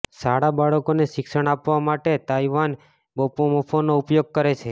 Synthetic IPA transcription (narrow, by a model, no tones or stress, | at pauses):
saɽabaɽəkoneʃɪksəɽ̃apʋamaʈet̪aiʋan | bopomopʰonoupjoɡ̚kəɾet͡ʃʰe